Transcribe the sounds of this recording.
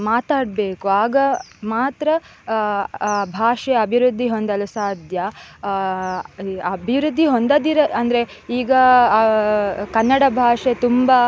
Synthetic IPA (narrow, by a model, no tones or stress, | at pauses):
maːt̪aːɽbeːkuaːɡɐmaːt̪ɾɐ | bʱaːʂeɐbʱiɾud̪ʱːiɦond̪ɐlusaːd̪ʱjɐ | ɐbʱiʋɾud̪ʱːiɦond̪ɐd̪iɾɐɐnd̪ɐɾe̞ | iːɡɐ | kɐnːɐɽɐbʱaːʂet̪umba